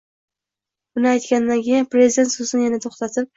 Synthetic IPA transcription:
bʊnɪajt̪kʲand̪ankʲʰejanpɾe̞zid̪e̞nt̪sozɪnɪjanat̪ʰoχt̪at̪ʰɪp̚

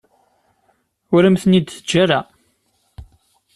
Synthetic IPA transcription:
ʊɾəmθənid̪θəd͡ʒːaɾa

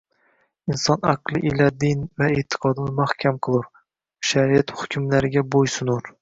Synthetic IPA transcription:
insɑnæ̰qlˠɨʔelɛd̪invɛet̪ʰːɨ̥qʰɑd̪ɨnɨmæhkʲʰɛmqʰəlˠuɾ | ʃæɾijɛt̪χʊkʲʰymlæɾɪɡʲɛbojsɨnuɾ

